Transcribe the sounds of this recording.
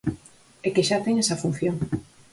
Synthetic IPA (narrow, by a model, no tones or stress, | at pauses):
ekeʃat̪eŋesɐfun̟θjoŋ